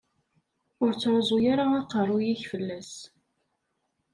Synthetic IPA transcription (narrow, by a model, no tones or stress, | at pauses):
ʊɾt͡sːɾˤzˤʊjaɾaɑqərˤʊjiçfəlːæs